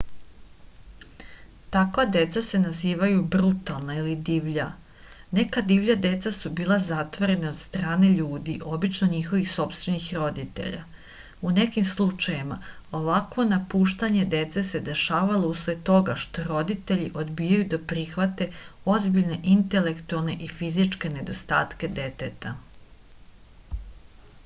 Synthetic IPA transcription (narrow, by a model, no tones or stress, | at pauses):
t̪akʋad̪e̞t̪sase̞naziːʋajubɾut̪alˠnailid̪iːʋʎa | ne̞kad̪iʋʎad̪e̞t̪sasubiːlˠazat̪ʋoɾe̞nao̞d̪st̪ɾaːne̞ʎuːd̪iʔo̞bit͡ʃnoɲixo̞ʋixso̞pst̪ʋe̞nixɾo̞d̪it̪ḛʎa̰ | une̞kimslˠut͡ʃajimao̞ʋakʋo̞napuːʃt̪aɲe̞d̪e̞t̪se̞se̞d̪e̞ʃaːʋalousled̪̚t̪o̞ɡaʃt̪o̞ɾo̞d̪it̪e̞ʎiʔo̞d̪biːjajud̪apɾixʋat̪e̞o̞zbiʎne̞ʔint̪e̞le̞kt̪ualˠne̞ʔifizit͡ʃke̞ne̞d̪o̞st̪a̰ːt̪ke̞d̪e̞t̪et̪a